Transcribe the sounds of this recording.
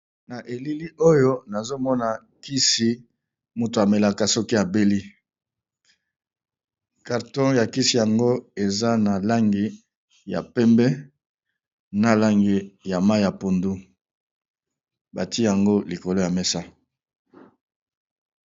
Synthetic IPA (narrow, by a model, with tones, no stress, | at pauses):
na˨ʔe˨li˦li˦o˦jo˦na˨zo˦mɔ˦na˨ | ki˦si˦ | mu˨to˨a˨me˨la˨ka˨sɔ˦ki˦ja˨be˦li˦ | ka˨ʁtɔ̃˦ja˨ki˦si˨ja˨ŋɡo˦e˨za˦na˨la˦ŋɡi˨ | ja̰˨pɛ˦mbɛ˦ | na˦la˦ŋɡe˨ja˨ma˦ja˨po˨ndu˦ | ba˨ti˦ja˨ŋɡo˦li˨ko˨lo˦ja˨mɛ˦sa˦